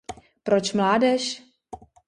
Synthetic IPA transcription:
pɾot͡ʃmlaːdɛʃ

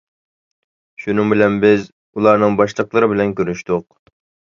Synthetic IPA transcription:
ʃunɨŋbɪlɛnbɪz | ulˠɑɾnɨŋbɑʃlˠəqlˠəɾɨbɪlɛnkʲøɾnyʃt̪ʊq̚

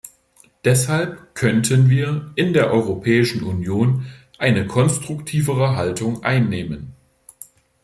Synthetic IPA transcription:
d̥ɛshalpkʰœntʰənviːɐʔɪndeːɐʔɔʏʁopʰɛːɪʃn̩ʔunjoːn | ʔaɪnəkʰɔnstʁ̥ʊktʰiːvəʁəɦaltʰʊŋʔa̰ɪnːeːmən

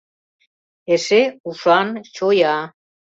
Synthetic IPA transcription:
eʃeuʃɑnt͡ɕojɑ

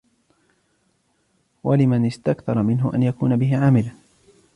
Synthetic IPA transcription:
walɪmanɪst̪akθɑɾˤɑmɪnɦʊʔa̰njakuːnabɪɦɪʕaːmɪlan

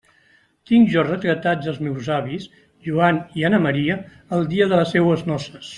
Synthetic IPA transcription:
t̪iŋʒɔrət̪ɾət̪ad͡zəlˠzmɛwzaβis | ʒuanianəməɾiə | əlˠd̪iəðələsːɛwəznɔsəs

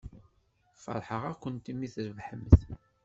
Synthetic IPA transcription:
fə̰ɾˤħəʁækʷːənt̪imiθɾəvħəməθ

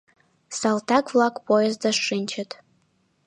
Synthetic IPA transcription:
saltʰakʼvlˠakʼpʰʼojɛzdaʂːɨnʲt͡ʃʰɛtʰʼ

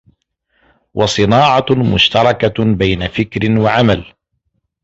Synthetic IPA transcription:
wʔɑsˤɨnaːʕɑmʊ̰ʃt̪ɑɾˤɑkabajnafɪkɾɪnwaʕamal

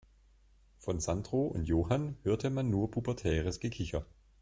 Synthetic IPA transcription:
fɔnzandʁoːʔʊ̰ntjoːhanhøːɐtʰəmanːuːɐpʰuːpɐtʰɛːʁəsɡ̥əkʰɪçɐ

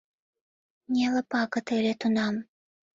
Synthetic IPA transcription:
nʲelɤ̆pɑkɤ̆t̪elʲet̪unɑm

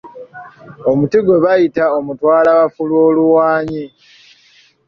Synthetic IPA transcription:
o̞mutiɡwe̞βajitaomutwaːlaβafulwo̞ːluwaːɲi

